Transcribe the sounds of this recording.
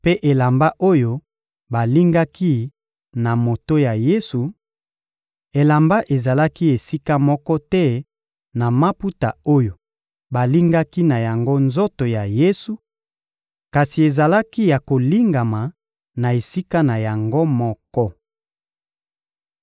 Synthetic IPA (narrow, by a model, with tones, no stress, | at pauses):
pe˦ʔe˨la˨mba˦ʔo˦jo˦ | ba˨li˦ŋɡa˦ki˦ | na˨mo˨to˦ja˨je˦su˨ | e˨la˨mba˦ʔe˨za˨la˦ki˦e˨si˦ka˦mɔ˦kɔ˦tɛ˦ | na˨ma˦pu˦ta˨o˦jo˨ | ba˨li˦ŋɡa˦ki˦na˨ja˨ŋɡo˦nzo˦to˨ja˨je˦su˨ | ka˨si˨e˨za˨la˦ki˦ja˨ko˨li˦ŋɡa˨ma˨ | na˨e˨si˦ka˦na˨ja˨ŋɡo˦mɔ˦kɔ˦